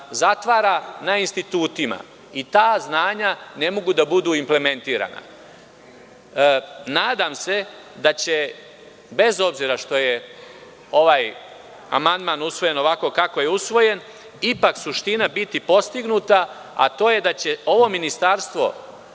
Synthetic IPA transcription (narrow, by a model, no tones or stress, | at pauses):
zat̪ʋaːɾanainst̪it̪uːt̪ima̰ | it̪aːznaːɲane̞mo̞ɡud̪abud̪uːimple̞me̞nt̪iːɾa̰na̰ | naːd̪amse̞ | d̪at͡ɕe̞ | be̞zo̞bziːɾaʃt̪o̞je̞ | o̞ʋaːj | a̰mand̪maːnusʋo̞je̞no̞ʋako̞kako̞jeusʋo̞je̞n | ipaksuʃt̪inabit̪ipo̞st̪iɡnuːt̪a | a̰t̪o̞ːje̞d̪at͡ɕe̞o̞ʋo̞minist̪aːɾst̪ʋo̞̰